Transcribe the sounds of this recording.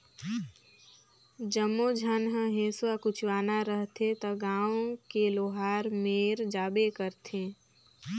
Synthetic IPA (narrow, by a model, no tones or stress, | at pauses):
d͡ʒəmːod͡ʒʱənɦə̃ɦẽːswakʊt͡ʃʰwaːnaɾəɦt̪ʰet̪əɡãːõkeloːɦaːɾmeːɾd͡ʒaːbekəɾt̪ʰẽː